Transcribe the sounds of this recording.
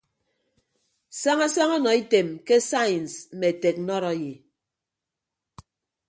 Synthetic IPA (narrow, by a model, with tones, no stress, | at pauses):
sa˦ŋa˦sa˦ŋɔ˦nɔ˨e˦te˨mke˦sa˦ji˨n˨sm̩˦me˨te˨k̚nɔ˦ɾɔ˨˦je˨